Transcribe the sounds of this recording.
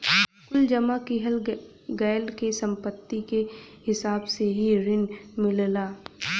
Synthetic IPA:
kʊld͡ʒɐmakɪɦəl | ɡɛːlɖkesə̃mpət̪ːikehɪsaːbseɦiɾɪnmɪllaː

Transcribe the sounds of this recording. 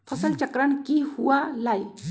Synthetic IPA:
pʰəsəlt͡ʃəkɾəɳkihuwalaj

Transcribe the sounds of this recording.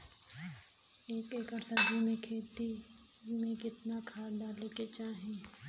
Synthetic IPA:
eːkeːkəɾsəɾd͡ʒimẽkʰeːt̪i | d͡ʒumẽkɪt̪nakʰaːɖaːleket͡ʃaːɦẽː

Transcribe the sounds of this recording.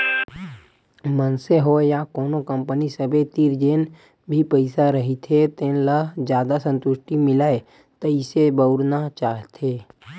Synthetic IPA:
mənseɦojakoːnokə̃mpənisəbet̪iɾd͡ʒeːn | bʱipəɪsaɾəɦit̪ʰet̪ẽːnləd͡ʒjaːd̪asə̃nt̪ʊʃʈimɪlaːe | t̪ɐɪsebəʊɾnat͡ʃaːɦt̪ʰeː

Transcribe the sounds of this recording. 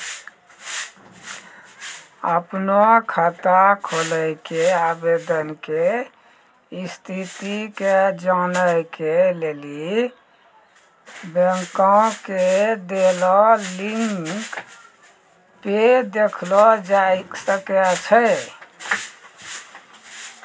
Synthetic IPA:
əpnoakʰət̪akʰoləjkeabed̪ənke | ist̪ʰit̪iked͡ʒanəjkeleli | beŋkãked̪elɔliŋk | ped̪ekʰlɔd͡ʒajsəket͡ʃʰə

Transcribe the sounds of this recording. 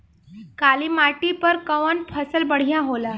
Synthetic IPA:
kaliːmaʈipəɾkəʋənpʰəsəlbəɽ̤jãɦola

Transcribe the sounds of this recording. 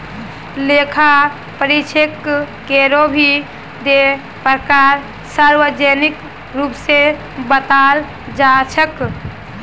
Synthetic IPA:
lekʰa | pəɾit͡ʃʰekː | eɾobʱi | d̪e | pɾəkaɾ | saɾwəd͡ʒenɪk | ɾuːpse | bət̪al | d͡ʒat͡ʃʰək

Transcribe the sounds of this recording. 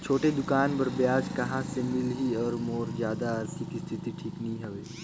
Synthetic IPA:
t͡ʃʰoːʈed̪ʊkaːnbɐɾbjaːd͡ʒkɐɦãsemɪlɦiɔːɾmoːɾzjaːd̪aəɾt̪ʰikist̪ʰit̪iʈʰiːknɐɦĩɦɛʋeː

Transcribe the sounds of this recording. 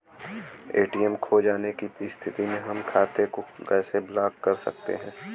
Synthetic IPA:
eːʈiːɛmkʰoːd͡ʒaːnekist̪ʰɪt̪imẽɦɐmkʰaːt̪ekokɛːseblaːkːɐɾsɐ̰k̚t̪ḛɦɛ̃ː

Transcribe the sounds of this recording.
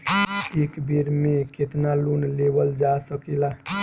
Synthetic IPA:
ekbiɾmẽket̪nalunleʋəld͡ʒasəkila

